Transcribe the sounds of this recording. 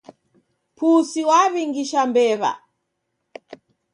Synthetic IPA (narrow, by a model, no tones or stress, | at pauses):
pʰusiwaβiŋɡiʃambɛβa̰